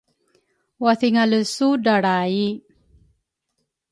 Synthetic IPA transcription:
waθiŋaləsudaɽai

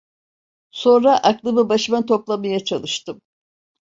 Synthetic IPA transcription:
so̞nɾaʔaklˠɯmɯbaʃɯmant̪ʰo̞plˠamajat͡ʃʰalˠɯʃt̪ɯm

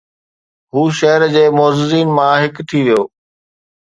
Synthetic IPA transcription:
ɦuːʃɐɦəɾd͡ʑeːmɔːzɪziːnmãɦɪkt̪ʰiʋijoː

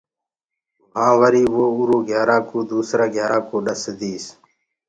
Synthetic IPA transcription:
ɦãːʋəɾiːʋoːuːɾoːɡʱjaːɾaːkoːd̪uːsɾaːɡʱjaːɾãːkoːɗəsd̪iːs

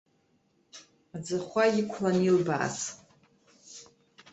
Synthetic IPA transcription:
ad͡zɨχʷajikʷʰlanilba̰ːt͡sʼ

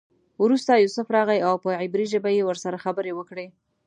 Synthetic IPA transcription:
wɾust̪ajusʊfɾɑɣajawpəʕɪbɾiʒəbajewəɾsaɾaxabəɾewəkɽe

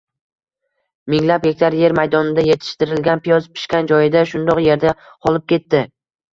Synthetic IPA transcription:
mɪŋlap̚ɡʲekʲt̪ʰaɾje̞ɾmajd̪ɒnɪd̪aje̞t̪ʰɪ̥ʃt̪ɪɾɪlɡʲanpʰijɒzpʰɪ̥ʃkʲand͡ʒɒjɪd̪aʃʊnd̪ɒqje̞ɾd̪a | qʰɒlˠɪp̚kʲe̞t̪ːɪ

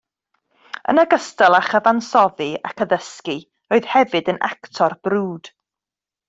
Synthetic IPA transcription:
ə̰nəɡəstɛlˠaχəvansɔðɨa̰kʰəðəski | oɨð̥hɛvɨdənʔa̰ktʰɔrb̥ruːd̥

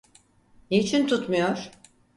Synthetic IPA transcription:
neit͡ʃʰint̪ʰut̪mujoɾ̥

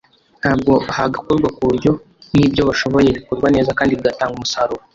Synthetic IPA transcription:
n̥haːb̚ɡo̞haɡakoɾɡwakuɾjo̞ | nibɟo̞βaʃo̞βo̞je̞βikoɾɡwane̞ːzakaːndiβɡataːŋɡumusaɾuɾo

